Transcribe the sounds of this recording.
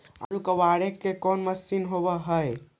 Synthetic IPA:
a̰ɾukəwaɽekːekɔnməsinɦoβəɦəj

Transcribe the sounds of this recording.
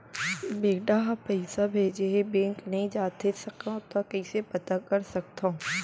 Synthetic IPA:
beːɡɖaɦɐpɛɪsabʱeːd͡ʒeebẽːŋknɐɦĩd͡ʒaːt̪esɐkãt̪ɔkɐisepɐt̪akɐɾsɐk̚t̪õ

